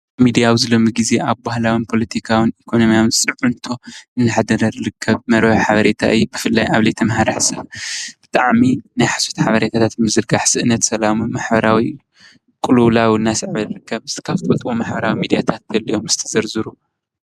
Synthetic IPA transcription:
mid̪ijawizɨlo̞mɨɡize̞ʔaβbahlawɨnpʰo̞lɐt̪ʰikʰawɨnikʰo̞no̞mijawnsʼɨβʕunt̪ʰo̞ɨnːɨħad̪ɐɾɐɾɾɨkʰːɐβmɐɾħaβɐɾet̪ʰa̰ʔɨjːubɨfɨlːajaβlet̪ʰɐmɦaɾaħsɐβb̥ɨt̪ʼaʕminajħḁsot̪ʰħaβɐɾet̪ʰat̪ʰat̪mɨzɨɾɡaħsɨʔnɐt̪sɐlamumaħbɐɾawi | kʼɨlulawiɨnːasɨʕβɐlɨɾɨkʰːɐβɨst̪kʰaβt̪ʰʼot̪ʼwomaħbɐɾawimid̪ijat̪ʰat̪̚bɐlːijo̞mz̥ɨt̪ʰɐ̥zɐɾzɨɾu

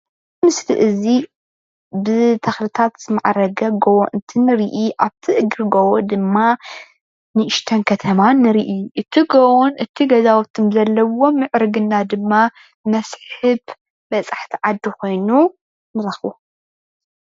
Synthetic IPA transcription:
mɨsliʔɨzi | bɨt̪ʰɐxlɨt̪ʰat̪z̥ɨmaʕɾɐɡɐɡowo̰ʔɨnt̪ʰinɨɾiʔiʔaβt̪ʰiʔɨɡɾɨɡowod̪ɨmːa | nɨʔɨʃt̪ʰɐnkʰɐt̪ʰɐmanɨɾiʔʔɨt̪ʰiɡowonʔɨt̪ʰiɡɐzawɔt̪ʰːɨmzɐlːɐwo̞mɨʕɾɨɡɨnːad̪ɨmːa | mɐsħħɨb | bɐt͡sʼaħt̪ʰiʕad̪ːiko̞jnu | nɨɾɐxu

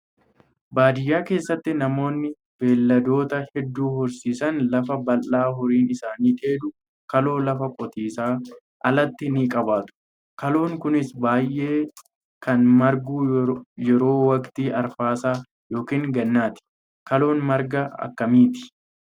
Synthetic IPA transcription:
baːd̪ɪjːaːke̞ːsːɐt̪ːɪnɐmo̞ːnːɪ | b̥e̞ːlːɐd̪o̞ːt̪ɐhɛd̪ːuːhʊɾsiːsɐnlɐfɐbɐlʔaːɦʊɾiːnɪsaːniːᶑe̞ːd̪ʊ | kɐlo̞ːlɐfɐkʼɔt̪iːsaː | ʔɐlɐt̪ːɪniːkʼɐbaːt̪ʊ̥ | kɐlo̞ːŋkʊnɪsbaːjʔe̞ː | kɐnmɐɾɡuːjɛɾo̞ːwɐkt̪iːʔɐɾfaːsaː | jo̞ːkiːŋɡɐnːaːt̪ɪ̥ | kɐlo̞ːnmɐɾɡɐɐ̰kːɐmiːt̪ɪ̥

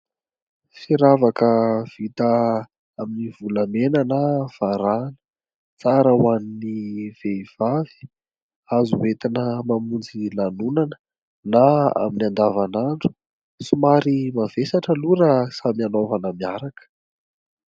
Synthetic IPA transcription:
fiɾavakəv̥it̪ə | aminivulamenənav̥aɾanə̥ | t͡saɾəwaniniv̥ev̥avi̥ | azuwet̪inəmamund͡zilanunanə̥ | naa̰minand̪avanaɳɖ͡ʐu̥ | sumaɾimavesaʈ͡ʂəluɾəsamianovanəmiaɾakə̥

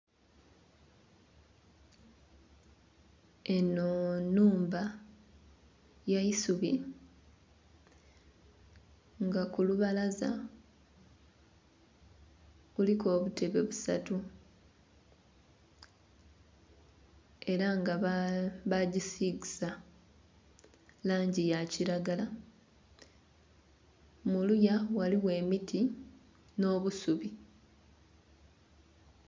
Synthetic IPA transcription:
enonuːmba | jaisuβi | ŋɡakuluβalaza | βuliko̞ːβutʰe̞βe̞βusa̰tu | e̞ɾaŋɡaβaɟisiɡisa | laːɲɟijaciɾaɡala | mulujawaliwe̞ːmitʰi | no̞ːβusuβi

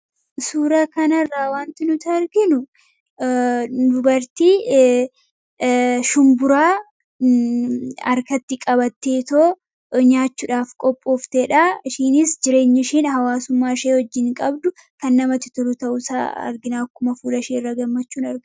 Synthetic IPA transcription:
suːɾakɐnɐrːaːwaːnt̪ɪnʊt̪ɐɐɾɡɪnʊ | d̪ʊbɐɾt̪i | ʃʊmbʊɾaː | ɐ̰ɾkɐt̪ːɪkʼɐbɐt̪ːeːt̪oː | ɲaːt͡ʃːʊᶑaːfkʼɔpʼːoːft̪eːᶑaʃiːnɪsd͡ʒɪɾe̞ːɲːɪʃiːnhɐwaːsʊmːaːʃeːhɔd͡ʒːɪŋkʼɐbd̪ʊ | kɐnːɐmɐt̪ɪ̥t̪ʊɾʊt̪ɐʔʊsa̰ːɐ̰ɾɡɪnaːkːʊmɐfuːlɐʃiːɪrːɐɡɐmːɐt͡ʃːuːnɐɾɡ

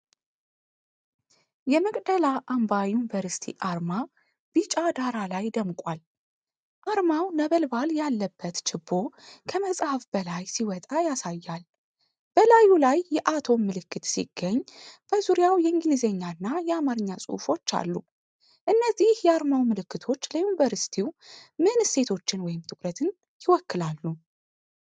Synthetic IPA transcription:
jɛməkʼd̪əlaʔambajunivəɾsi̥t̪ʰḭʔaɾma | b̥it͡ʃʼad̪aɾalajd̪əmkʼwal | ʔaɾmawnəβəlbaljalːəbːət̪t͡ʃʰɨbːo̞kʰəməsʼhafb̥əlajsiwɔt̪ʼajasajːal | b̥əlajulajːɛʔat̪ʰo̞mːɨlɨkʰːɨt̪sḭɡ̥ːəɲːb̥əzuɾijawjɛɨŋɡɨlizeɲːanːajɛamaɾɨɲːasʼɨ̰fo̞t͡ʃːa̰lːu | ʔɨnːəzihjɛaɾmawmɨlɨkːɨt̪ʰo̞t͡ʃːləjunivəɾsi̥t̪ʰiwmɨnse̞t̪ʰo̞t͡ʃːɪnwɔjɪmt̪ʰʼɨkʼɾət̪ʰɨn | jɪwɔkːɨlalːu

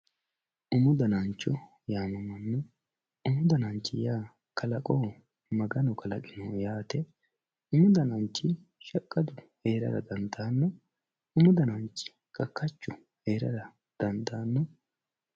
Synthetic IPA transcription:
ʔʊmʊd̪ɐnant͡ʃːɔ | jaːmɐmɐnːɔ | ʊmʊd̪ɐnant͡ʃːɪjaː | kʰɐlɐkʼoː | mɐɡɐnɔkʰɐlɐkʼɪnɔjaːt̪ɛ | ʊmʊd̪ɐnant͡ʃːɪ | ʃɐkʼːɐd̪ʊ | he̞ːɾɐ̰ɾɐ̰d̪ɐnd̪aːnːɔ | ʊmʊd̪ɐnant͡ʃːɪ̥ | kʼɐkʰːɐt͡ʃːʊ | heːɾɐ̰ɾɐ | d̪̥ɐnd̪aːnːɔ

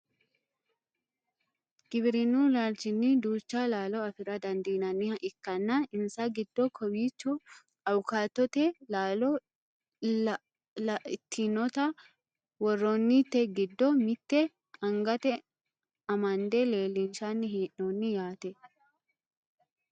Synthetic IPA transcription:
ɡ̥ɪbɾɪnuːlald͡ʒɪnːid̪uːt͡ʃːalaːlɔɐfɪɾɐd̪ɐnd̪iːnɐnːɪhɐʔɪkːɐnːanɪnsɐɡɪd̪ːɔkʰɔwiːt͡ʃːɔ | ɐwʊkaːt̪ːɔt̪ɛlaːlɔ | t̪ʰːinɔt̪ɐ | wɔrːonːit̪ːɛɡɪd̪ːɔmɪt̪ːɛ | ɐŋɡɐt̪ɛ | ɐmɐnd̪ele̞ːlːinʃanːɪɦiːʔnoːnːɪjaːt̪ɛ

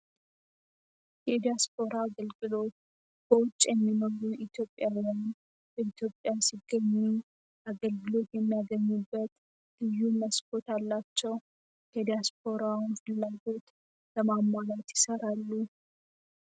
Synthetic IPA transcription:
jɛd̪ijasp̚ʰo̞ɾaːɡəlɡɨlo̞t̪ | b̥əwʊt͡ʃʼːjɛmːinoɾuit̪ʰjo̞pʼːjawjan | bəit̪ʰjo̞pʼjasiɡːəɲːu | ʔaɡəlɡɨlo̞t̪jɛmːijaɡəɲːubːət̪ | lɨjːuməskʰo̞t̪alːat͡ʃːɛw | kʰəd̪ijasp̚ʰo̞ɾawnfɨlːaɡo̞t̪ | bəmamːalat̪jɪsəɾalːu

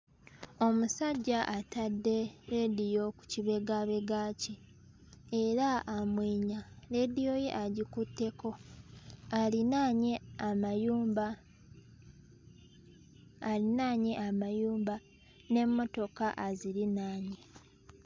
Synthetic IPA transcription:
o̞musaɟːaʔatadːe̞ɾe̞dijo̞ku̥ciβe̞ɡaβe̞ɡaːci | eɾaːmwiːɲaɾe̞dijo̞je̞̰ʔaɟikutːe̞ko̞ | alinaɲeamajuːmba | linaːɲeʔamajuːmba | ne̞mːo̞to̞kaʔaziɾinaːɲi

